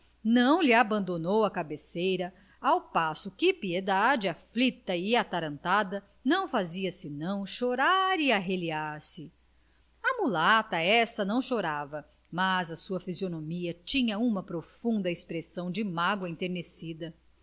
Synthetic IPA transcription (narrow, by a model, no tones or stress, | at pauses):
nɐ̃w̃lɪabɐ̃nd̪onowɐkabesejɾɐ | awpasʊkɪpied̪ad͡ʒɪaflit̪ɐɪat̪aɾɐ̃nt̪ad̪ɐ | nɐ̃w̃faziɐsɪnɐ̃w̃ʃoɾaɾɪaɦeliaɾsɪ | ɐmulat̪ɐɛsɐnɐ̃w̃ʃoɾavɐ | mazɐsuɐfizionomiɐt͡ʃĩɲɐũmɐpɾofũnd̪ɐespɾesɐ̃w̃d͡ʒɪmaɡwɐẽt̪eɾnesid̪ɐ